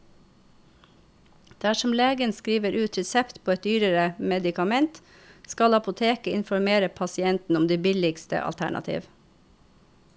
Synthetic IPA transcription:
d̪̥æʃɔmleːɡənskɾiːʋəɾʉːt̪ʰɾɛsɛpt̪pʰoːɛt̪̚d̪yːɾəɾəmɛd̪ɪkɑmɛnt̪ | skɑlɑpʊt̪ʰeːkəɪ̰nfɔɾmeːɾəpʰɑsɪɛnt̪n̩ʊmd̪eːbɪlɪɡst̪ə̰ʔɑ̰lt̪ʰæ̰ɳɑ̰t̪ʰḭːʋ

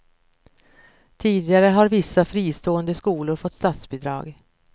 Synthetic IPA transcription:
t̪ʰiːd̪ɪɡaɾəɦaɾvɪsːafɾiːst̪oːənd̪əskuːlʊɾfɔt̪ːst̪at̪sbɪd̪ɾɑ̰ːɡ

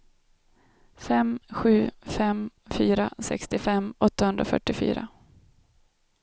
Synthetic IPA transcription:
fɛmɧʉ̟ːfɛmfyːɾasɛ̰kst̪ɪfɛmːɔt̪ːahɵnd̪ɾafœ̰ʈːɪfy̰ːɾa̰

